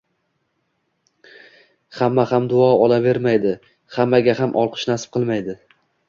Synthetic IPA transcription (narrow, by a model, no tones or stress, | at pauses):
hamːahamd̪ʊɒɒlave̞ɾmajd̪ɪ | hamːaɡʲahamʔɒlˠqʰɨ̥ʃnasp̚qʰɨlˠmajd̪ɪ